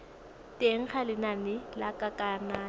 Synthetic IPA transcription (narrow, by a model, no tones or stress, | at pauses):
tʼeŋ̩χalɪnamɪlakʼakʼaːnaː